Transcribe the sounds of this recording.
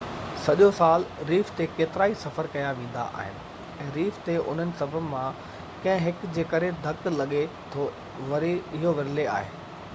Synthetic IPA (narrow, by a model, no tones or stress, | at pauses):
sɐʄosaːlɾiːft̪ekeːt̪ɪɾaːisɐfəɾkɐjaʋẽːn̆d̪a̰ʔa̰ːɦɪnɪ̆ | ɛ̃ːɾiːft̪eʔʊ̰n̤ənɪ̆sɐbʱəmã | kɐ̃ɦɪ̃ɦɪkd͡ʑeːkɐɾed̪ʱɐklɐɠe | t̪ʰo | ʋɐɾɪɦoʋɐɾɪlea̰ːɦḛː